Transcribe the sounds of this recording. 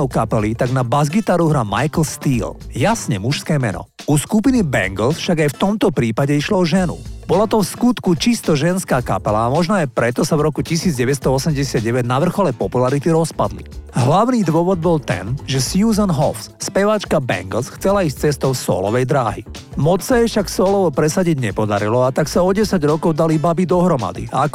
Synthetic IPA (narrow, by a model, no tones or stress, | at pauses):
ɔʊkapɛlit̪aɡnabazɡit̪aːɾuɦɾamajkl̩st̪iːljasɲɛmuʃskɛːmɛ̰nɔ̰uskupinibɛ̰ŋɡl̩sfʃaɡajft̪ɔmt̪ɔpɾiːpaɟɛiʃlɔɔʒɛnṵb̥ɔlat̪ɔfskut̪kut͡ʃist̪ɔʒɛnskaːka̰pɛlaːmɔʒnɔajpɾɛt̪ɔsavɾɔkucisiːd͡zɟɛʋɛst̪ɔɔsɛmɟɛsɪad̪̚ɟɛʋɛɟnaʋr̩xɔlɛpɔpulaɾit̪iɾɔspa̰d̪lḭɦlaʊniːd̪ʊɔʋɔd̪̚bɔlt̪ɛ̰nʒɛsjuːzɔnɦɔ̰fsspɛʋat͡ʃkabɛ̰ŋɡl̩sxt͡sɛlaiːst͡sɛst̪ɔʊsɔ̰ːlɔ̰ʋɛjd̪ɾaːɦḭ | mɔt͡ssajɛʃaksɔːlɔʋɔpɾɛsaɟiɟɲɛpɔd̪a̰ɾilɔat̪aksaɔɟɛsaɟɾɔkɔʊd̪alibabid̪ɔɦɾɔma̰d̪ḭa̰ak